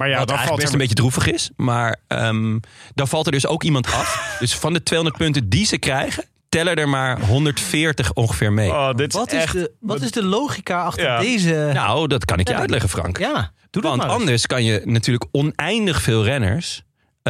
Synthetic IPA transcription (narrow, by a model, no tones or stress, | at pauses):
majadəlˠəmbejcədrufəχɪsmaːɹə̰mdɑnfɑlˠtəɹdɵso̰wkimɑntɑfd̥øsfɑndətʋejɦɔ̃ndəɹt̚pɵntədizəkrɛjχən | tɛlədɛɹmaːɹɦɔndəɹtfɪːɹtəχɔŋχəfɪːɹmejdɪttɪtɪsdəlowχikaːɑχtədejzənadɑtkɑ̰nɪkjəœ̰ɥtlɛχəfrɑ̰ŋkja | d̥udɑntɑndəɹskɑnjənatyːɹləkɔnɛjndəχfɪːlˠrɛnə̰ɹs